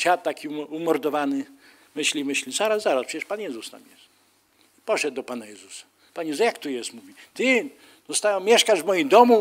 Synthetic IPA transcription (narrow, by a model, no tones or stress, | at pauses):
fʲjat̪ːakʲiumɔɾd̪ɔvanɘ | mɘɕlʲimɘɕlʲizaɾazzaɾaspʰʂɛt͡ɕɛʂpanjɛzust̪a̰mjɛst̪ | ipɔʂɛd̪̚ːɔpanajɛzusḁ | panjɛzuzsjakt̪ujɛst̪muvʲit̪ɪ | d̪̥ɔst̪awmʲjɛʂkaʐvmɔjimd̪ɔmu